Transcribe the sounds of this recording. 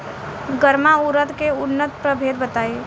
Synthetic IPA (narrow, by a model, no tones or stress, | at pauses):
ɡəɾmauɾət̪keʊnːət̪pɾəbʱeːd̪̚bət̪aːe